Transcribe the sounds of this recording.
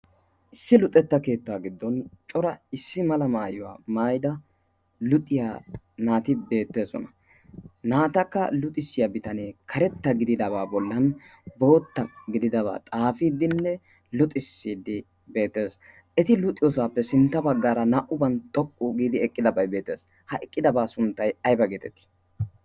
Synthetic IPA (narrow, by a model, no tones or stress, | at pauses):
ʔɪsːɪlʊt̪ʼːɛt̪ːɐke̞ːt̪ːaːɡɪd̪ːɔnt͡ʃʼɔɾɐɪsːɪmɐlɐmaːjʊwa̰ːmaːjd̪ɐ | lʊt̪ʼːɪja | naːt̪ɪbe̞ːt̪ːe̞ːsɔ̰nɐ | naːt̪ɐkːɐlʊt̪ʼɪsːɪjɐbɪt̪ɐneːkʰɐɾɛt̪ːɐɡɪd̪ɪd̪ɐβaːbɔlːɐn | bo̞ːt̪ːɐɡɪd̪ɪd̪ɐβa̰ːt̪ʼaːfiːd̪ɪnːɛ | lʊt̪ʼɪsːiːd̪ːɪ | be̞ːt̪ːe̞ːs | ʔɛt̪ɪlʊt̪ʼːɪjɔsaːpːɛsɪnt̪ːɐbɐɡːaːɾɐnɐʔʊbɐnt̪ʼɔkʼːuɡiːd̪ɪɛkʼːɪd̪ɐbɐjbe̞ːt̪ːe̞̰ːs | hɐʔɛkʼːɪd̪ɐbaːsʊnt̪ːɐjɐjbɐɡet̪ɛt̪ːɪ̥